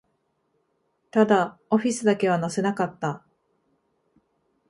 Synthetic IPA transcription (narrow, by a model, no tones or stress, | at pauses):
t̪ad̪ao̞ɸʲisɨd̪ake̞β̞anase̞nakat̪ːa